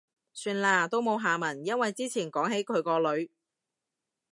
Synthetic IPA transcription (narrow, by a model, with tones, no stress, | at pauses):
syː˧nlaː˧t̪o˥wmo˨˧wɦaː˨˩mɐ˨˩njɐ˥nwɐ˨jt͡siː˥t͡sʰiː˨˩nkɔː˨˥ŋɦe˨˥jkʰɵ˨˧ɥkɔː˧lɵ˨˧ɥ